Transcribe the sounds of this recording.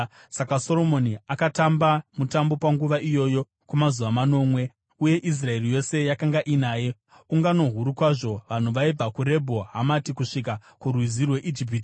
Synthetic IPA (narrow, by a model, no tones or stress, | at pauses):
sakaso̞ɾo̞mo̞niakatambamutambo̞paŋɡuʋaʔijo̞ːjo̞ | kumazuʋamano̞mwe̞ | uje̞ʔis̬rae̞rijo̞se̞jakaŋɡaʔinaːje̞ | uŋɡano̞ɦuɾukwaʐo̞ʋan̤uʋaib͡vakuɾe̞bʱo̞ɦamatikuʂikakurwizirwe̞ʔid͡ʒip̬iti